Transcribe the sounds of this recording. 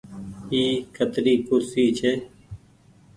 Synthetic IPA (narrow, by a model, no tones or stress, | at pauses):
iːkʰət̪ɾiːkʊsiːt͡ʃʰeː